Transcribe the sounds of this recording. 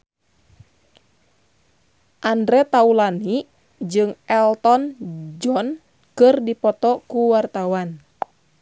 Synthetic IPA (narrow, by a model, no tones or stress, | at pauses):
ʔandɾɛt̪aulani | d͡ʒɨŋɛlt̪ɔnd͡ʒɔn | kɨrdipɔt̪ɔkuwart̪awan